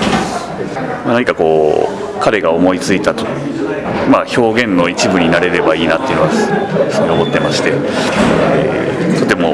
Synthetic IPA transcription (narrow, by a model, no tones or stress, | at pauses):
manaɲ̟ikako̞ː | kaɾe̞ɡaomo̞it͡sɨit̪at̪o̥ | maço̞ːɡẽ̞nːo̞it͡ɕibɯ̟ɲ̟inaɾe̞ɾe̞baiːnat̪ːeiɯ̟noɡasɨeobo̞t̪ːe̞maɕi̥t̪e̞ | ḛt̪o̞t̪e̞mo̞